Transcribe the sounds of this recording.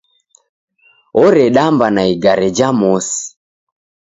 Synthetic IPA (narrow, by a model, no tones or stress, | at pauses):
ɔɾɛɗambanaiɡaɾɛd͡ʒamɔsi̥